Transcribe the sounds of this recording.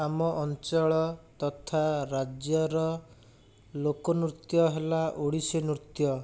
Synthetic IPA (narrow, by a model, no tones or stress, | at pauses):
amɔʔɔnt͡ʃɔɭɔt̪ɔt̪ʰaɾad͡ʒjɔɾɔ | lokɔnɾut̪jɔɦelaʔoɽisenɾut̪jɔ